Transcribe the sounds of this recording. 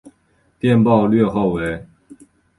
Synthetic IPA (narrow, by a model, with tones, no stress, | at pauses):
t̪jɛ˥˨npɑ˥˧ʊlɥɛ˥˧xo˥˨ʊwe˧˥˦ɪ